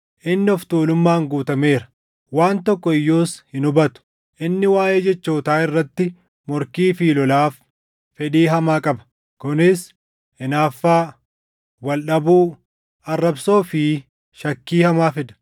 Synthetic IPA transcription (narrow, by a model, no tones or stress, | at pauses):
ʔɪnːɪɔft̪uːlʊmːaːŋɡuːt̪ɐmeːɾɐ̥ | waːnt̪ɔkːɔɪjːoːshɪnʊbɐt̪ʊ̥ | ʔɪnːɪwaːjeːd͡ʒɛt͡ʃːoːt̪aːɪrːɐt̪ːɪ | mɔɾkiːfiːlɔlaːfː | ɛᶑ̪iːɦɐmaːkʼɐbɐ̥ | kʊnɪs | ɪnaːfːaː | wɐlɗɐbuː | ɐrːɐbso̞ːfɪː | ʃɐkːiːhɐmaːfɪd̪ɐ̥